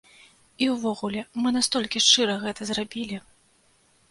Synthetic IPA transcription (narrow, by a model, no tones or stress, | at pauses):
iwvɔɣulʲɛmɨnast̪ɔlʲkʲiʂt͡ʂɨɾɐɣɛt̪ɐzrabʲilʲi